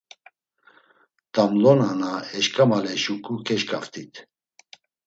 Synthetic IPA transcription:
t̪amlɔnanaɛʃkʼamalɛʃukʰʼukʰɛʃkʼaft̪ʰʼit̪ʰ

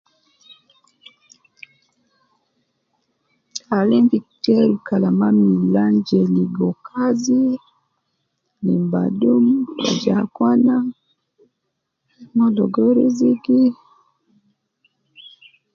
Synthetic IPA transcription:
alimvitɛɾukalamamiland͡ʒɛliɡɔkʰazi | lḭmba̰dumwa̰d͡ʒakwana | mɔdɔɡɔɾiziɡi

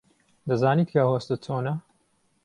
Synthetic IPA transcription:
d̪ɐzaːniːt̪̚kʰɐhoːst̪ɨt͡sʰoːnɐ

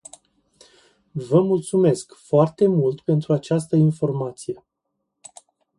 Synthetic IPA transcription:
vəmult̪sume̞skfoart̪e̞mult̪pe̞nt̪ɾuat͡ʃas̬t̪əinfo̞rmat̪sije̞

